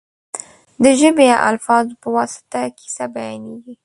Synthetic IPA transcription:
d̪əʒəbejaʔa̰lfɑzpəwɑsɪ̥t̪akʰi̥sabajɑneɡi

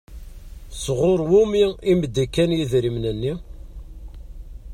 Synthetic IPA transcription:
sʁoɾˤwumiiməd̪ːikːænjiðɾimnənːi

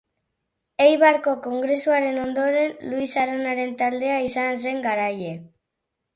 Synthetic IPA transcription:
ejβaɾko̞ko̞ŋɡɾe̞suaɾe̞no̞nd̪o̞ɾe̞nluisaɾonaɾe̞nt̪ald̪e̞aisans̬e̞ŋɡaɾaje̞

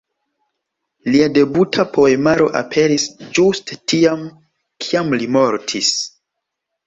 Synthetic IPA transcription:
liade̞butʰapo̞emaɾo̞̰ʔa̰pʰe̞ɾisd͡ʒuste̥tiam | kʰiamlimo̞ɾtʰis

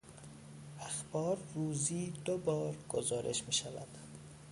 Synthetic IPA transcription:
æxb̥ɒːɾːuːziːd̪obɒːɾɡ̥ozɒːɾʔḛʃmiːʃavæ̰d̪̥

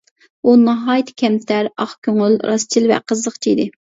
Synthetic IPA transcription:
unɑɦɑːjt̪ʰkʲʰɛmt̪ʰæɾɑχkʲʰøŋylɾɑst͡ʃʰilvɛ̰qʰəzəqt͡ʃʰiid̪ɪ

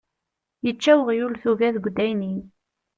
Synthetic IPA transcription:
jət͡ʃːæwəʁjulθuvæðɡʷd̪ːæjnin

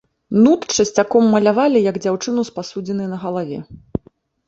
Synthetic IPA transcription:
nut̪t͡ʂɐsʲt͡sʲakɔmːɐlʲavalʲijɐɡd͡zʲawt͡ʂɨnuspasud͡zʲɛnɨjnɐɣɐlˠavʲɛ

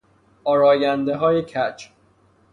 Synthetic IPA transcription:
ʔɒːɾɒːjænd̪eɦɒːjecʰæt͡ʃʰ

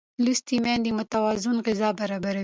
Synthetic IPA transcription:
lust̪imɛnd̪imʊt̪awɑzɪnɣɪzɑbaɾɑbaɾa

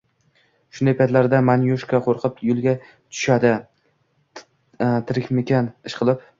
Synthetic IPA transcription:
ʃʊnd̪ajpʰajt̪laɾd̪amanjoʃkaqʰoɾqʰɨpjʊlˠɡʲa | t̪ʰʊ̥ʃad̪ɪ | t̪ʰɪɾɪkʲmɪkʲanɪʃqʰɨlˠɪp

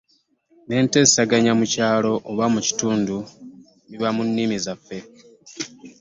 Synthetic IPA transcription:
ne̞ːnte̞saɡaɲamucaːlo̞ʔoβamuci̥tuːndu | miβamunːimizafːe̞

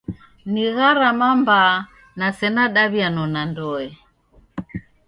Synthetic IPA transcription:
niɣaɾamamba | nasɛnaɗaβianɔnandɔɛ

